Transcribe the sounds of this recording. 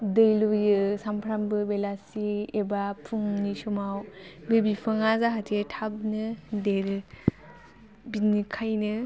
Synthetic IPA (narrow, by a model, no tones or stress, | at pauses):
dɯjlujɯsampʰɾambɯbelasiebapʰuŋnisumawbebipʰɯŋazaɦatʰetʰab̚nɯdeɾ | binikʰajnɯ